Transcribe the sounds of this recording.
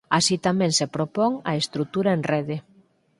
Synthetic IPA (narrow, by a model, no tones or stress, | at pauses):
asit̪amɛ̃ŋsepɾopoŋɐ̰est̪ɾut̪uɾaenreð̞e